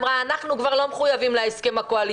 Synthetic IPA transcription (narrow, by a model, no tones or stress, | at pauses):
mʁaːnaχnukvaʁlo̞meχujavimleeske̞makoali